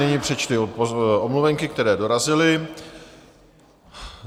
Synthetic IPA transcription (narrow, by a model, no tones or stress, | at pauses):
ɛɲiːpr̥ɛt͡ʃt̪ɪʔomluvɛŋkɪk̚t̪ɛɾɛːdo̞ɾazɪlɪ